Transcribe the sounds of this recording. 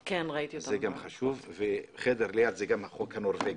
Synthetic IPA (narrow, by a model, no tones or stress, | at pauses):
kenʁait̪iozaeɡamχaʃuvveχed̪eʁlejat̪zeɡamaχokhanoɾveɡ